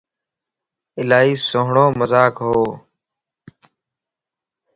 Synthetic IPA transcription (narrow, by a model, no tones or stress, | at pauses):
ɪlaːɦiːsoːɦɳõːməzaːkɦoː